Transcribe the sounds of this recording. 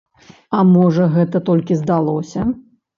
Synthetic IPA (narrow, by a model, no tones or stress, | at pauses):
ɐmɔʐɐɣɛt̪ɐt̪ɔlʲkʲizd̪alˠɔsʲɐ